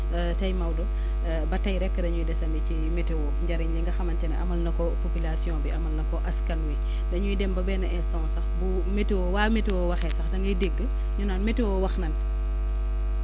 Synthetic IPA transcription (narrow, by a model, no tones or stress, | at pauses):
tɐjmɐwdɔ | bɐtɐjɾɛkːədɐɲujidɛsɐndɛcimɛtewɔɲɟɐɾiɲliŋɡɐxɐmɐntɛnɐʔɐmɐlnɐkɔpopylasjɔ̃ːbiɐmɐlnɐkɔʔɐskɐnwi | dɐɲujidɛmbɐbɛːnɐʔɛstãsɐxbu | metewɔwaːmetewɔwɐxɛsɐxdɐŋɡɐjideɡːə | ɲunanmetewɔwɐxnɐn